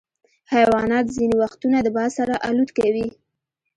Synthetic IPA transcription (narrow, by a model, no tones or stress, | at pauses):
hajwɑnɑt̪zinewaxt̪unad̪əbɑsaɾaʔalut̪kawi